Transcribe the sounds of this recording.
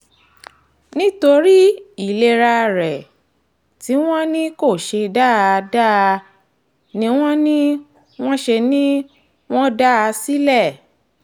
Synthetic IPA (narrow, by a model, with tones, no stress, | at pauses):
nĩ˦to˧ɾi˦i˦˨le˧ɾa˧ɾɛ˨ | ti˨˦w̃ɔ̃˦nĩ˦ko˦˨ʃe˧da˦˧da˦˧ | nĩ˨˦w̃ɔ̃˦nĩ˦ | w̃ɔ̃˦ʃe˧nĩ˦ | w̃ɔ̃˦da˦a˧si˦lɛ˦˨